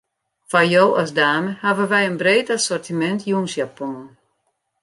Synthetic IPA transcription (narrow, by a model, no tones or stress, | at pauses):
fajoːʔɔsdaːməhavəʋɛjənbreːtasɔrtimɛntʰjunsjapɔnən